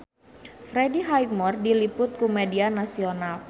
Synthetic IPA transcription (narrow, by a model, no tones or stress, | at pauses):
fɾediɦajmɔrdilipʊt̪̚kumedianasional